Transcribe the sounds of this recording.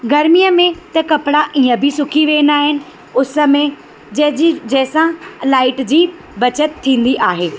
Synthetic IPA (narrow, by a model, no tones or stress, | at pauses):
ɡɐɾmijəmẽt̪ɐkɐpɽaʔiːə̃bʱɪsʊkʰiʋeːnaːɦɪnɪ̆ | ʊsə̆mẽ | d͡ʑɐɦd͡ʑid͡ʑɐɦɪsãlaːɪʈd͡ʑiː | bɐt͡ɕət̪ʰːĩːn̆d̪iʔaːɦeː